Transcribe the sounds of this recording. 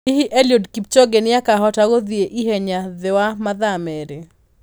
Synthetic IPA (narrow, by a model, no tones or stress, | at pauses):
ihiʔeljodkip̚t͡ʃɔɡenɪjakaɦɔtaɡoðieʔiɦɛɲaðɪwamaðamɛɾe